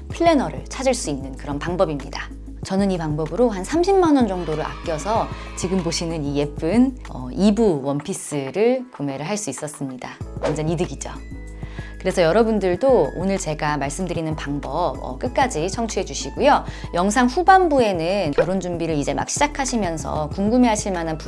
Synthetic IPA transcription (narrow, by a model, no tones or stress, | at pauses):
pʰɯɭːe̞nʌɾɯ̰ɭt͡ɕʰad͡ʑiɭs͈uinːɯnkɯɾʌnpaŋbʌbimɲida | t͡ɕʌnɯnipaŋbʌbɯɾoɦansʰamɕʰimːanwʌnd͡ʑʌŋdoɾɯɭɾa̰p̚k͈jʌsʰʌ | t͡ɕiɡɯmboɕʰinɯnije̞p͈ɯn | ʌ̰ibuwʌnpʰis͈ɯɾɯɭkume̞ɾɯɭɦaɭs͈uis͈ʌs͈ɯmɲidaʌ̰nd͡ʑʌnidɯɡid͡ʑo̰ | kɯɾe̞sʰʌjʌɾʌbundɯɭdoonɯɭt͡ɕe̞ɡamaɭs͈ɯmdɯɾinɯnpaŋbʌp̚ʌ̰k͈ɯk̚k͈ad͡ʑit͡ɕʰʌŋt͡ɕʰuɦe̞d͡ʑuɕʰiɡujojʌŋsʰaŋɸubambue̞nɯnkjʌɾond͡ʑumbiɾɯɾid͡ʑe̞ma̰k̚ɕ͈ʰid͡ʑakʰaɕʰimjʌnsʰʌ̰kuŋɡumeɦaɕʰiɭmananpu